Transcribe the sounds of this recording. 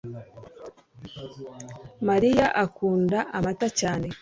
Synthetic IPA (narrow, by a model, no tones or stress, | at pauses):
maɾijaʔakuːndaʔamatacaːne̞